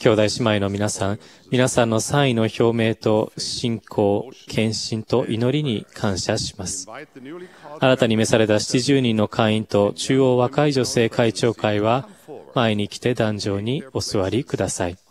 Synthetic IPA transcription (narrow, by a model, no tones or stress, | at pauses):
kʲo̞ːd̪aiɕimaino̞mʲinasãŋ | mʲinasãnːo̞sãɰ̃ĩno̞ço̞ːme̞ːt̪o̞ɕĩŋkʰo̞ːkʰẽ̞ɰ̃ɕĩnt̪o̞ʔino̞ɾʲiɲ̟ikʰãɰ̃ɕaɕi̥masɨ̥ | aɾat̪aɲ̟ime̞saɾe̞t̪aɕi̥t͡ɕiʑɨːɲ̟ĩnːo̞kʰãĩnt̪o̞t͡ɕɨːo̞ːβakaiʑo̞se̞ːkait͡ɕo̞ːkaiβamae̞ɲ̟ikʲi̥t̪e̞d̪ãɲd͡ʑo̞ːɲ̟io̞sɨβaɾʲikɯ̟d̪asai